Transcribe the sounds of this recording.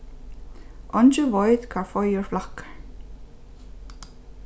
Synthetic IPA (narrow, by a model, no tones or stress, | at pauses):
ɔnt͡ʃʏvɔjð̥kʰafɔjʏɹ̥flahk